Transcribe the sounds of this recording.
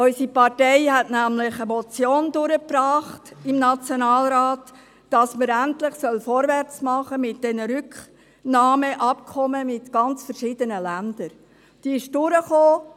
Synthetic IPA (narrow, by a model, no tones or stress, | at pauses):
ɔʏsipɑrtɛɪhɛtnæmlɪχəmɔt͡sjoːndʊɾəpɾɑːχtɪmnɑt͡sjonɑːlɾaːtː | ɑsməɾæntlɪχsœlfɔɾʋɛrt͡smɑχəmɪtd̥ɛnəɾʏkχ | nɑːməʔɑp̚kʰɔməmɪtɡ̥ɑnt͡sfəɾʃid̥ənəlænd̥əɾ | d̥iːɪʃd̥ʊɾəχoː